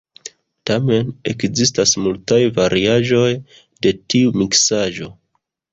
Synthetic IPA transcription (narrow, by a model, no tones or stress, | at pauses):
tame̞ne̞kzistasmultajvaɾʔiaʒo̞j | de̞tiumiksaʒo̞